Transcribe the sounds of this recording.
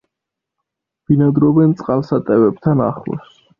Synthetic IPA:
b̥inad̪ɾɔbɛnt̪sʼqʼalˠsat̪ʼɛvɛb̚t̪ʰana̰χlɔ̰s

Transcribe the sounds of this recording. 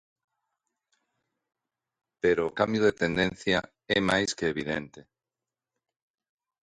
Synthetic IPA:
peɾoːkambjoðet̪ẽnd̪en̟θjɐ | ɛmajskeːβ̞iðɛ̰nt̪e

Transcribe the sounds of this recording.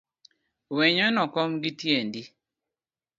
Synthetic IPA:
wɛɲɔnɔkɔmɡitjendi

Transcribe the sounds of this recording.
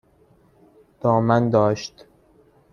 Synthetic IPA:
d̪̥ɒːmænd̪ɒːʃt̪

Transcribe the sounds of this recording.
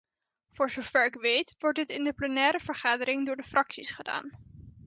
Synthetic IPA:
v̥ʊːɹzowv̥ɛɹɪkʋejtʋɔɹt̚dɪtɪndəplənɛːɾəv̥əɹχaːdəɾɪŋdʊːɹdəfrʔɑksisχəda̰ːn

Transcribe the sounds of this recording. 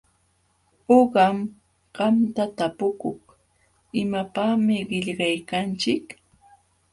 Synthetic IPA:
oɢɑm | ɢ̥ɑmt̪at̪apʊkʊχ | ɪmapaχmɪɢɪʎɢɑjkant͡ʃɪk

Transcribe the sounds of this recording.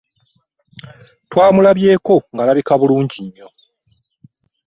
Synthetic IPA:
twaːmulaβje̞ːko̞ŋɡalaβikaβuluːɲɟiɲːo̞

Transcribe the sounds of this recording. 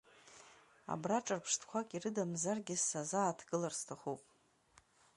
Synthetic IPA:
a̰braʈ͡ʂʼarpʰʂtʰkʷʰakʼirɨdamzarɡʲɪsazaːtʰɡɨlarstʰaχupʼ

